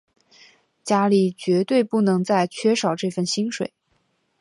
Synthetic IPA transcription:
t͡ɕja˥li˨˩t͡ɕɥɛ˧˥t̪we˥˧ɪpu˥˩nɤ˧˥ŋt͡sa˥˩ɪt͡ɕʰɥɛ˥ʂɑ˨˩ʊʈ͡ʂɤ˥˧fə˥˩nɕi˥nʂwḛ˨˩˦ɪ

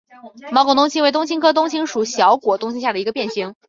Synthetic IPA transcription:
mɑ˧˥ko˧˩t̪ʊ˥ŋt͡ɕʰi˧˥we˩t̪̬ʊ˥ŋt͡ɕʰi˥ŋkʰɤ˥t̪̬ʊ˥ŋt͡ɕʰi˥ŋʂu˨˩ɕjɑ˧˥ʊkwɔ˨˩t̪ʊ˥ŋt͡ɕʰi˥ŋɕja˥˩d̪ə˩i˧ɡə˧pjɛ˥˩nɕi˧˥ŋ

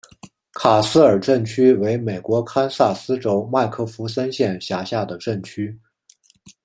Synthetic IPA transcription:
kʰa˨˩sɹ̩˥ə˞˨˩ʈ͡ʂə˥˩nt͡ɕʰy˥we˧˥ɪme˨˩ɪkwɔ˧˥kʰa˥nsa˥˩sɹ̩˥ʈ͡ʂo˥ʊma˥˧ɪkʰɤ˥˩fu˧˥s̬ə˥nɕjɛ˥˩nɕja˧˥ɕja˥˩d̪ə˩ʈ͡ʂə˥˩nt͡ɕʰy˥

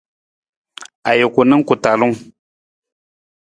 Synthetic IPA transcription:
a˨jɛ˨kʊ˨nɨ˦ŋ˦kʊ˨ta˨lʊ˦ŋ

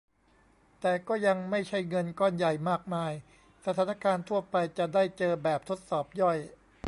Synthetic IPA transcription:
t̪ɛː˨˩kɔː˥˩ja˧ŋma˥˩jt͡ɕʰa˥˩jŋɤ˧nkɔː˥˩nja˨˩jmaː˥˩k̚maː˧j | sa˧t̪ʰaː˨˩˦na˥˧kaː˧nt̪ʰu˥˩ɐpa˧jt͡ɕa˨˩daː˥˩jt͡ɕɤː˧bɛː˨˩p̚t̪ʰo˦˥t̪̚sɔː˨˩p̚jɔ˥˩j

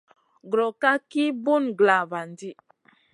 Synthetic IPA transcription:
ɡɾɔ˨ka˦ki˦bu˦nɡla˨ba˨ndi˦

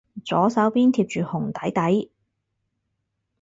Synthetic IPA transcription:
t͡sɔː˨˥sɐ˨˥wpiː˥nt̪ʰiː˧p̚t͡ʃyː˨hʊ˨˩ŋt̪ɐ˨˥jt̪ɐ˨˥j

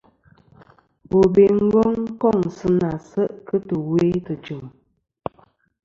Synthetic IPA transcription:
bo˨be˨ŋ̩˦ɡɔ˦ŋŋ˦kɔ˦˨ŋsɨ˦na˨sə˦ʔkə˦tə˨we˦tə˨t͡ʃɨ˨m

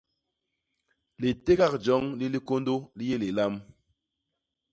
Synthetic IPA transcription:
li˨te˦ka˦k̚d͡ʒɔ˨˦ŋli˦li˦ko˦ndo˦li˦je˦li˨la˦m

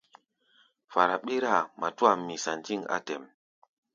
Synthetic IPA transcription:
fa˨ɾa˨ɓe˦ɾa˦˨mʔa˨tu˦a˨mːi˨sa˨nti˦ŋa̰˨tɛ˨m

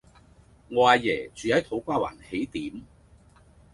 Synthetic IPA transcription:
ŋwaː˧jɛː˨˩t͡ʃyː˨˧jɐ˨˥wt̪ʰo˨˥wkʷaː˥wa̰ː˨˩nhe˨˥jt̪iː˨˥m

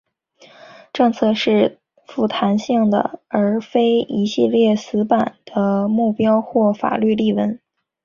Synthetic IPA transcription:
ʈ͡ʂɤ˥˧ŋt͡sʰɤ˥˧ʂɻ̩˥˩ | fu˥˩t̪ʰa˧˥nɕi˥˩ŋd̪ə̰˩ə˞˧˥fe˥ɪi˧˥ɕi˥˧ljɛ˥˩sɹ̩˧˥pa˨˩nd̪̥ə˦mu˥˩pjɑ˥ʊxwɔ˥˩fa̰˨˩ly˥˧li˥˩wə˧˥n

